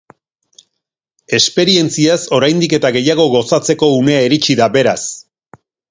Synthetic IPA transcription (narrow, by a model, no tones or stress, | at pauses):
e̞spe̞ɾie̞nt͡siaso̞ɾajnd̪ike̞t̪aɣe̞jaɣ̞o̞ɣo̞sat͡se̞ko̞une̞aeɾit͡ʃiðabe̞ɾas